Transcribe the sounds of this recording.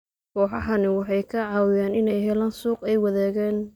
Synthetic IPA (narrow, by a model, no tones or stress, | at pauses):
kʰɔːħɑɦɐnɪwɑħɑjkʰɐʕɑːwɪjaːnɪnɛjɦɛlaːnsuːqɛjwɑðɛːɣɛːn